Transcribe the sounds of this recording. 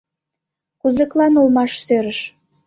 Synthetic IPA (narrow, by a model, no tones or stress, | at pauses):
kuzə̆klɑnulmɑʃsøɾəʃ